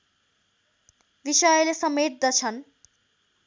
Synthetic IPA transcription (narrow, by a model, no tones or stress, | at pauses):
bisʌjʌlesʌmet̪̚d̪ʌt͡sʰʌn